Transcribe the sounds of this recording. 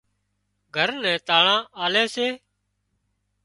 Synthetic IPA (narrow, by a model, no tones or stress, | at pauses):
ɡʱəɾnɛ̃ːt̪aːɳãːʔaːleːseː